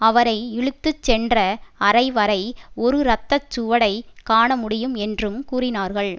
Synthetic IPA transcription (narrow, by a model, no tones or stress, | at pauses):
ɐʋɐɾɐɪɪɻɯt̪ːɯt͡ʃːɛndrɐɐɾɐɪʋɐɾɐɪɔɾɯɾɐt̪ːɐt͡ʃːʊʋɐɽɐɪkaːɳɐmʊɽɪjɯmɛndrɯmkuːrɪnaːɾɣɐɭ